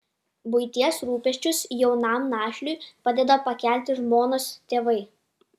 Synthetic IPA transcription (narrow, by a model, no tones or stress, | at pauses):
bʊɪt̪ʲiɛsɾuːpʲɛʃʲt͡ʃʲʊsjɛʊnɑˑmnɑːʃʲlʲʊɪpɑd̪ʲɛd̪ɐpɐkʲæˑlʲt̪ʲɪʒmoːnoːst̪ʲeːʋɐɪ